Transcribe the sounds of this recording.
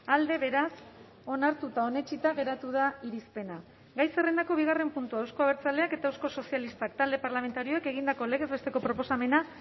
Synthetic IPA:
ald̪e̞βe̞ɾas | o̞naɾt̪ut̪ao̞ne̞t͡ʃit̪aɣ̞e̞ɾat̪uð̞aiɾispe̞na | ɡajse̞rend̪ako̞β̞iɣare̞mpunt̪uawsko̞aβ̞e̞ɾt͡sale̞ake̞t̪awsko̞so̞sialist̪akt̪ald̪epaɾlame̞nt̪aɾio̞eke̞ɣ̞ind̪ako̞le̞ɣe̞zβe̞st̪e̞ko̞pɾo̞po̞same̞na

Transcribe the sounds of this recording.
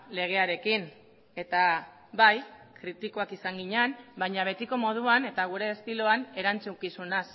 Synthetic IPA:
le̞ɣ̞e̞aɾe̞kin | e̞t̪a | βajkɾit̪iko̞akisaŋɡiɲeanbajɲaβ̞e̞t̪iko̞mo̞ð̞uane̞t̪aɣ̞uɾe̞ːst̪iloane̞ɾant͡sukisunas

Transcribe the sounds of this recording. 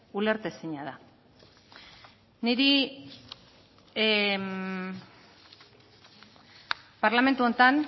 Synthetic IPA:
ule̞ɾt̪esiɲað̞a | niɾi | paɾlame̞nt̪uo̞nt̪an

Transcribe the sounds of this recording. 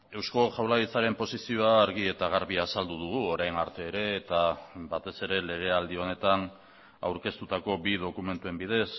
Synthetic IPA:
e̞wsko̞ʝawlait͡saɾe̞mpo̞sisio̞aːɾɣie̞t̪aɣ̞aɾβiasald̪uð̞uɣuoɾajnaɾt̪e̞ːɾe̞ːt̪abat̪e̞se̞ɾe̞le̞ɣ̞e̞ald̪io̞ne̞t̪an | a̰wɾke̞st̪ut̪ako̞biðo̞kume̞nt̪ue̞mbiðe̞s

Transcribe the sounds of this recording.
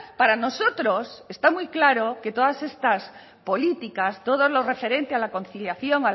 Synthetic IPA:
paɾanosot̪ɾosest̪amujklaɾoke̞t̪oð̞ase̞st̪as | po̞lit̪ikast̪o̞ð̞ozlorefe̞ɾe̞nt̪ealako̞nθiljaθjoŋa

